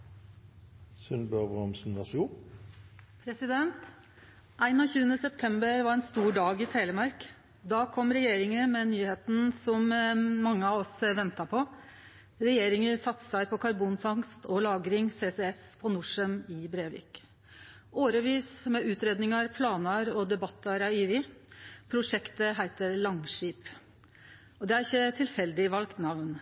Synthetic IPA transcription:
sʉnbøbʁɔmsn̩ʋɑsuː | pʰɾɛsɪd̪ɛnt̪ | ʔæɪnɑːçʉːənəsɛpt̪ʰɛmbəɾʋɑɾɛnst̪uːɖɑːɡɪt̪ʰæɪləmɑɾk | d̪ɑːkʰɔmːɾɛjeːɾɪŋəmɛnyːheːt̪n̩sɔmmɑŋːəɑʋɔsʋɛnt̪ɑpʰɔ | ɾɛjeːɾɪŋəsɑt̪ːsæɪpʰɔkʰɑɾbuːnfɑŋst̪ʰɔlɑːɡɾɪŋseːsɛɛspʰɔnʊʂəmɪbɾeːʋɪ̰ːk | oːɾəʋiːsmɛʉːt̪ɾeːd̪nɪŋɑɾpʰlɑːnəɾɔd̪ɛbɑt̪ʰːəɾɑiːʋɪpʰɾʊʂɛkt̪əɦæɪt̪əɾlɑŋʂiːp | ɔd̪ɛæɾɪçːət̪ʰɪlfɛld̪ɪʋɑlkt̪nɑʋn

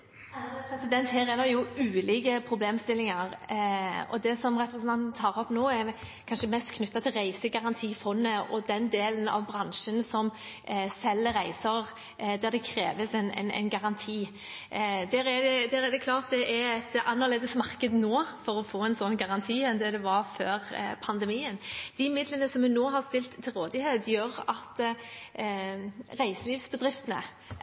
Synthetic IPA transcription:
ɑpʰɾɛsɪd̪ɛnt̪hæːɾɛd̪əɾjʊʉːliːɡəpʰɾʊbleːmst̪ɪlːɪŋɑɾ | ɔ̰d̪ɛsɔmʁɛpɾəsənt̪ɑnt̪n̩t̪ʰɑːʁɔpnoːɛɾkʰɑnʃəmɛst̪kʰnʉt̪ːɑt̪ʰɪlɾæɪsəɡɑʁɑnt̪ʰiːfɔnːəɔd̪ɛnd̪eːlənɑ̰ʋbɾɑnʃənsɔm | sɛlːəʁæɪsəɾ | d̪æɾd̪ɛkʰɾeːʋəsɛnɛ̰ɪnɛ̰ɪnɡɑʁɑnt̪ʰiː | d̪æɾɛd̪ɛd̪æːɾæd̪ɛkʰlɑːɾt̪̚d̪ɛʔæɾɛt̪ɑnːəʁleːd̪əsmɑʁkəd̪noːfɔɾɔfoːɛnsɔnːɡɑʁɑnt̪ʰiːɛnd̪ɛd̪ɛʋɑɾføːɾpʰɑnd̪ɛmiːənd̪̥ɪmɪd̪lənəsɔmʉnoːɦɑɾst̪ɪlt̪ʰːɪlʁoːd̪ɪheːd̪jøːɾɑt̪ | ɾæɪsəliːʋsbəd̪ɾɪft̪ənə̰

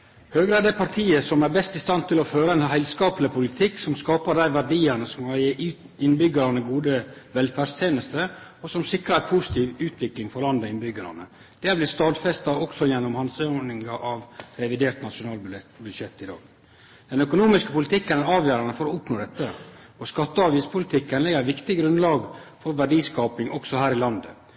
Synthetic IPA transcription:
høːɡɾəæɾd̪æɪpʰɑɾʈ̪ʰiːəsɔmæɾbɛst̪ɪst̪ɑnt̪ʰɪlɔføːɾəɛnɦæɪlskɑːpəlɪpʰʊlɪt̪ʰɪksɔmskɑːpəd̪æɪʋæɾɖiːənəsɔmkɑje | ɪnbʏɡəɾɑnəɡuːd̪əʋɛlfæːst̪ʰeːnəst̪əɔsɔmsɪkɾɑæpʰʊsɪ̥t̪ʰiːʋʉːt̪ʰʋɪklɪŋfɔɾlɑnd̪ɔɪnbʏɡəɾɑ̰nə̰ | d̪̥ɛːɾblɪst̪ɑːd̪fɛst̪ɑɔksɔjɛnːɔmhɑnsønɪŋɑʔɑʋɾɛʋɪd̪eːɾt̪nɑʂʊnɑːlbbʉd̪ʂɛt̪ːɪd̪ɑ̰ːɡ̥ | d̪̥ɛnœkʊnuːmɪskəpʊlɪt̪ʰɪkːənɑːʋjøːɾɑnəfɔɾɔʊpnoːd̪ɛt̪ːə | ɔskɑt̪ːəɑʋiːspʰʊlɪt̪ʰɪkːənlɛɡəɾʋɪkt̪ɪɡɾʉnd̪lɑːɡfɔɾʋæɖiːskɑːpɪŋʔɔksɔhæːɾɪlɑnd̪ə

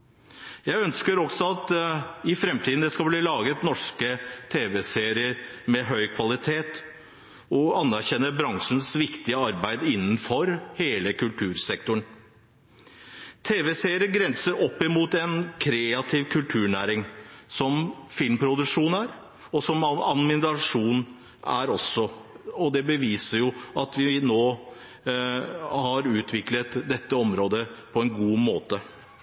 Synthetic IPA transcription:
jæɪœnskəɾɔksɔɑt̪ɪfɾɛmt̪ʰiːd̪n̩d̪ɛskɑbliːlɑːɡət̪nɔʂkət̪ʰeːʋɛseːɾɪəɾmɛɦœʏkʰʋɑlɪt̪ʰeːt̪ | ɔɑnːæɾɕɛnːəbɾɑŋʂn̩sʋɪkt̪ɪəɑɾbæɪd̪ɪnːn̩fɔɾheːləkʉlt̪ʰʉːɾsɛkt̪ʊɳ | t̪ʰeːʋɛseːɾɪəɾɡɾɛnsəɾɔpːɪmuːt̪ɛnkʰɾeːɑt̪ʰɪʋkʰʉlt̪ʰʉːɳæːɾɪŋsɔmfɪlmpʰɾʊd̪ʉkʂuːnæɾ | ɔsɔmɑnmɪnɾɑʂuːn | ʔæ̰ɾɔsːɔɔd̪ɛbəʋiːsəɾjʊɑt̪ʋɪnoː | hɑɾʉːt̪ʰʋɪklət̪d̪ɛt̪ːəɔmɾoːd̪əpʰɔɛnɡuːmoːt̪ə

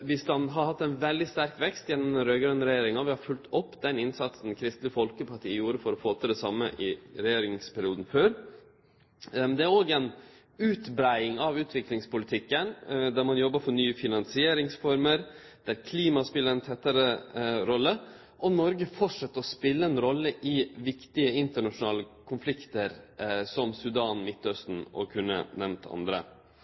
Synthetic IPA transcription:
ʋɪsd̪ɑnɦɑɾhɑt̪ːæɪnʋɛld̪ɪst̪æɾkʋɛkst̪jɛnːɔmɛɾøːɡɾœnːɾɛjeːɾɪŋɑʋɪhɑɾfʉlt̪ʰɔpːd̪ɛnɪnsɑt̪sn̩kʰɾɪst̪lɪəfɔlkəpʰɑʈʰiːjuːɾəfɔɾɔfoːt̪ʰɪld̪ɛsɑmːəʔɪɾɛjeːɾɪŋspʰæɾɪuːd̪n̩føːɾ | nd̪ɛæɾoːɡɛn | ʉːt̪bɾæɪɪŋɑʋʉːt̪ʰʋɪklɪŋspʊlɪt̪ʰɪkːənd̪æɾmɑnjɔbːəfɔɾɳyːəfɪnɑnsɪeːɾɪŋsfɔɾməɾ | d̪̥æɾkʰliːmɑspɪlːəɾɛnt̪ʰɛt̪ːəɾəɾɔlːə | ʔɔnɔɾɡəfɔʈʂɑt̪ːɾɔspɪlːəɛnɾɔlːəʔɪʋɪkt̪ɪəɪnt̪əɳɑʂʊnɑːləkʰʊnflɪkt̪əɾsɔmsʉd̪ɑːnmɪt̪ːœst̪n̩ɔ̰kʰʉnːə̰nɛmt̪ʰɑ̰nd̪ɾə̰

